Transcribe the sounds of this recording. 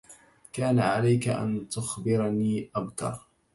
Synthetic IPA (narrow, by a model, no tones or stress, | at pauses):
kaːnaʕalajkaʔa̰nt̪ʊxbɪɾniːʔabt̪ɑ̰ɾˤ